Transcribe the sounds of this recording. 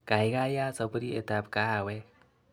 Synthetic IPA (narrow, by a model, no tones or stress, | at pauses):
kajɡajasəbɾiḛt̪apkawe